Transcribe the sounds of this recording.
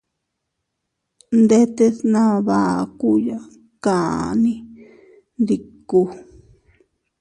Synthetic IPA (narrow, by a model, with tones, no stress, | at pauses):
nd̪e˦t̪e˦˧snã˦βa˨ku˦ja˦ | kã˨nĩ˦ | nd̪i˧˨ku˧